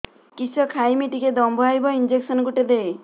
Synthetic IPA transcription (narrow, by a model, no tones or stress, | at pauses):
kisɔkʰajmiʈiked̪ɔmbʱɔajbɔind͡ʒeksɔnkuʈed̪ej